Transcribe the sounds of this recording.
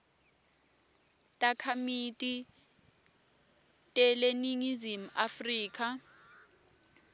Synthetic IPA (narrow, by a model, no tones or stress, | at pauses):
tʼakʰamitʼi | tʼɛleniŋizim̩afriːkʰʼa